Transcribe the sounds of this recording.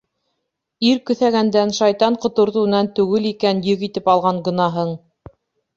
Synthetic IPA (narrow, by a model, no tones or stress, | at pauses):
iɾkɵ̆θæɣænd̪ænʃɑjt̪ɑɴqŏt̪ŏɾt̪ɤ̆wɤ̆nɑnt̪ʉɡɘlikænjɵ̆ɣit̪ɘpɑlˠʁɑɴɡɤ̆nɑɦɤɴ